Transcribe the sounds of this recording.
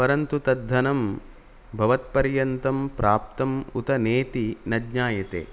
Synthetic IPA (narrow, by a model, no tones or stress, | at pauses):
pɐɾɐnt̪ut̪ɐd̪ʱːɐnɐm | bʱɐʋɐt̪̚pɐɾjɐnt̪ɐmpɾaːp̚t̪ɐmut̪ɐneːt̪inɐdɲaːjɐt̪ḛː